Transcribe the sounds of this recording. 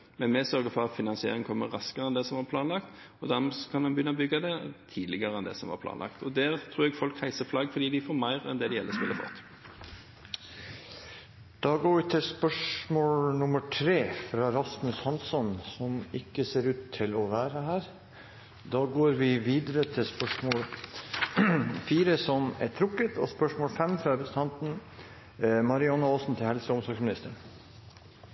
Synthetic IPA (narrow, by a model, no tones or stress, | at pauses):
mɛnmɛsœɾɡəfɔɾɑt̪fɪnɑnsɪḛːɾɪŋ̩kʰɔmːə̰ʁɑskəʁɛnd̪ɛsɔmʋɑɾpʰlɑːnlɑkt̪ | ɔd̪æɾmɛsɔ̥kʰɑnhɑnbəjʏnːɑɔbʏɡːɑd̪ɛt̪ʰiːd̪lɪɡəʁəɛnd̪ɛ̰ːsɔmʋɑ̰ɾpʰlɑ̰ːnlɑ̰kt̪ɔd̪æːʁt̪ʰɾuːɛɡfɔlkhæɪsəflɑɡfɔɾd̪iːd̪ɪfoːɾmæɪʁɛ̰nd̪ɛd̪ɛjɛlːəspɪlːəfɔ̰t̪ː | d̪̥ɑːɡoːɾʋɪt̪ʰɪspœʂmoːlnʊməʈʰɾeːfɾɑːɾɑsmʉshɑnsɔnsɔmɪkːəseːɾʉːt̪ʰːɪlɔʋæːɾəhæːɾ | d̪ɑːɡoːɾʋɪʋiːd̪əɾət̪ʰɪlspœʂmoːl | fiːɾəsɔmæ̰ʈ̪ʰɾʊkːət̪ʰɔ̰spœʂmoːlfɛmfɾɑpəsət̪ʰɑnt̪n̩ | mɑɾɪɑnːɑoːsn̩t̪ʰɪlhɛlsəʊmsɑːɡsmɪnɪst̪əɳ